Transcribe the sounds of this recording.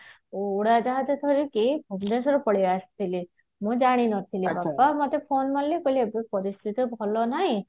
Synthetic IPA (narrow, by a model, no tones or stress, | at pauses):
ouɽad͡ʒaɦat̪et̪ʰɔɾikibʱuɡd̪es̬ɾupɔɽiast̪ʰili | mũd͡ʒaɽ̃inɔt̪ʰilibapːamɔt̪epʰoːnmanlikoliebipɔɾist̪ʰit̪ibʱɔlɔnaɦĩ